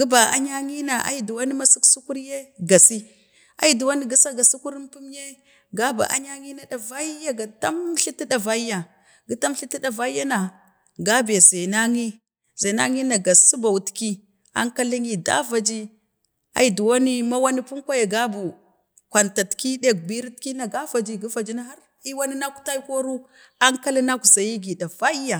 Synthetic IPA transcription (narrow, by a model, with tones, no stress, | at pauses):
ɡi˦ba˨a˦ɲa˦ŋi˦na˨ʔa̰˦i˦du˨wa˦ni˦ma˦si˦ksu˦ku˦ɾje˦ɡa˨si˦ | a̰˦i˦du˨wa˦ni˦ɡa˨sa˦ɡa˨su˦ku˦ɾi˦mpu˦mje˦ | ɡa˦ba̰˨ʔa̰˦ɲa˦ŋi˦na˨da˨va˦ja˦ɡa˨ta˦m˦ɬi˦ti˦da˨va˦i˦ja˨ | ɡi˨˦ta˦m˦ɬi˦ti˦ɗa˨va˦ja˦na˨ | ɡa˦be˨ze˨na˦ŋi˦ | za˨na̰˦ŋi˦na˨ɡa˨su˦ba˨wu˨tki˦ | a̰˦ŋka˦li˦ŋi˨da̰˦va˨d͡ʒi˦ | a̰˨i˨du˨wa˦ni˦ma˦wa˦ni˦pu˦ŋkʷa˦ja˨ɡa˦bu˨ | kʷa˨nta˨tki˦de˦˨k̚bi˦ɾi˦tki˦na˨ɡa˦va˨d͡ʒi˦ɡi˦fa˨d͡ʒi˦na˦ɦa˦ɾ | i˦wa˦ni˦na˦ku̥˨ta˦i˦ko˦ɾu˦ | a˦ŋka˦li˦na˦ku˨za˨ji˦ɡi˨da˨va˦i˦ja˨